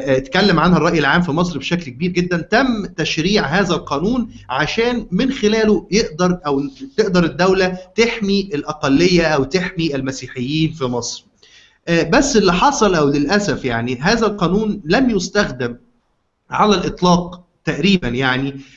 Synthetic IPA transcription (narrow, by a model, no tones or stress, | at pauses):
t̪kælːemʕanhærˤːɑʔjelʕaːmfimɑs̬ˤɾbeʃæklkebiːɾɡed̪ːænt̪æmːt̪æʃɾiːʕɦæːzælqɑːnuːn | ʕaʃæːnmɪnxelæːlojeʔd̪ɑɾˤʔæwt̪eʔd̪ɑɾˤed̪ːæwlæt̪eħmiʔelʔɑqɑlːejːæʔæwt̪eħmiʔɪlmæsiːħejːiːnfimɑsˤɾ | ʔːbæsːʔelːiħɑsˤɑlʔæwlelʔæsæfjaʕniɦæːzælqɑːnuːnlæmjost̪æxd̪ɪm | ʕalælʔet̪ˤlɑːq̚ | t̪æʔɾiːbænjaʕni